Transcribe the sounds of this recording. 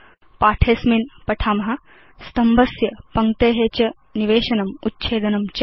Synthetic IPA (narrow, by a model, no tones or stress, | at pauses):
paːʈʰeːsminpɐʈʰaːmɐɦɐ̆ | st̪ɐmbɐsjɐpɐŋt̪eːɦet͡ʃɐ | niʋeːʃɐnɐmutːt͡ʃʰeːd̪ɐnɐmt͡ʃɐ